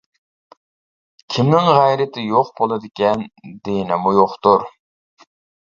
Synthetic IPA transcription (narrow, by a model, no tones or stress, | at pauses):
kʲʰimnɪŋʁæjɾɪt̪ʰɪjoqbolˠɨd̪ɪkʲɛnd̪enɪmujoqt̪uɾ